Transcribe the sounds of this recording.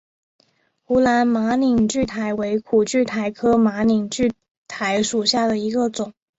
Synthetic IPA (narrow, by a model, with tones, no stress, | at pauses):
xu˧˥la˧˥nma˧˥ni˨˩ŋt͡ɕy˥˩t̪ʰa˧˥ɪwe˧˥ɪkʰu˨˩t͡ɕy˥˩t̪ʰa˧˥ɪkʰɤ˥ma˧˥ni˨˩ŋt͡ɕy˥˩ | t̪ʰa˧˥ɪʂu˨˩ɕja˥˩d̪ə˩i˧˥ɡə˧t͡sʊ˨˩˦ŋ